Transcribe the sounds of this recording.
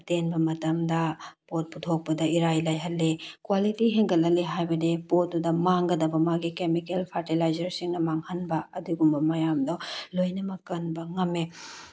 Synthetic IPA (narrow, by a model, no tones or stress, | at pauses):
tenbɐmɐtɐmdɐpot̚putʰok̚pɐdɐiɾajlajɦɐtlːekwalitiɦeŋɡɐlɐleɦajbɐdepot̚dudɐmaŋɡɐdɐbɐmaɡikemikelpʰaɾtilajzɐɾsiŋnɐmaŋhɐnbɐɐduɡumbɐmɐjamdɔlojnɐmɐkːɐnbɐŋɐmːe